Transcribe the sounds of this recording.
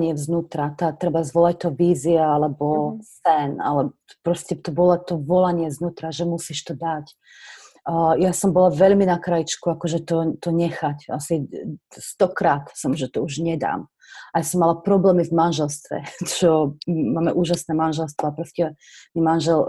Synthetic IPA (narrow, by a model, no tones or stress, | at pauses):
ɲɪɛvznuːt̪ɾat̪aːt̪ɾɛbazʋɔlac̚t̪ɔviːziaalɛbɔsɛna̰lɛbɔ̥ | pɾɔscɛt̪ɔbɔlat̪ɔvɔlaɲɪɛznuːt̪ɾaʒɛmusiʃt̪ɔd̪acː | jasɔmbɔlaʋɛʎminakɾajit͡ʃkuakɔʒɛt̪ɔt̪ɔɲɛxaca̰sist̪ɔkɾaːt̪sɔmʒɛt̪ɔuʒɲɛd̪a̰ːm | ajasɔmːalapɾɔblɛːmivmanʒɛlst̪ʋɛ̰t͡ʃɔmaːmɛʔuːʒasnɛːmanʒɛlst̪ʋɔapɾɔscɛ | mimanʒɛl